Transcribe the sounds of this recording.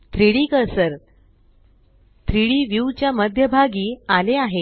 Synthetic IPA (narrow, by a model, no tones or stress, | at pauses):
t̪ʰɾiɽikəɾsəɾ | t̪ʰɾiɽiːʋjuwt͡ɕjaməd̪ʱjəbʱaɡiːaleaɦe